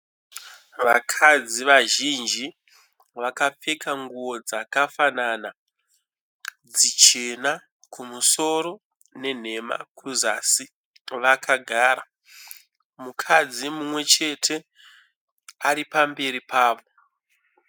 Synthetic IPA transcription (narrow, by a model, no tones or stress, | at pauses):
ʋakʰad͡ziʋaʒind͡ʒi | ʋakap͡fe̞kaŋɡuwo̞d͡zakafanana | d͡zit͡ʃe̞na | kʰumuso̞ɾo̞ | ne̞n̤e̞ma̰kʰuzasi | ʋakʰaɡʱaːɾa | mukʰad͡zimumwe̞t͡ʃe̞tʰe̞ | aɾipambe̞ɾipaːʋo̞